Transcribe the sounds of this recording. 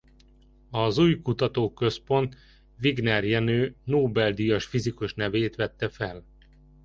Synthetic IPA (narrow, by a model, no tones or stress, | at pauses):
ɒzuːjkut̪ɒt̪oːkø̞spo̞nt̪ | ʋiɡnɛrjɛnøːnoːbɛld̪ijɒʃfizikuʃnɛveːt̪ʋɛt̪ːɛfɛl